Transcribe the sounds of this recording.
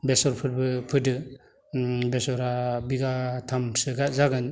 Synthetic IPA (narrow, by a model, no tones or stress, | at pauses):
besɔɾpʰɯɾ̚bɯpʰɯdɯ | besɔɾabiɡatʰamsɯɡazaɡɯn